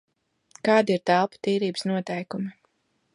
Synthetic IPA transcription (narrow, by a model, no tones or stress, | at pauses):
kɑːd̪iɾt̪ælˠpḁt̪iːɾiːbəsnuɔt̪ɛjkumi